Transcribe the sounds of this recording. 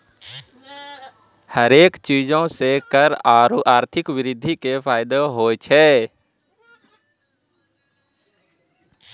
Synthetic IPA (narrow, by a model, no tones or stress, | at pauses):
həɾeːkt͡ʃiːd͡ʒõsekəɾaːɾt̪ʰɪkwɪɾɪd̪ʱːikepʰaːɪd̪oɦoːt͡ʃʰɛː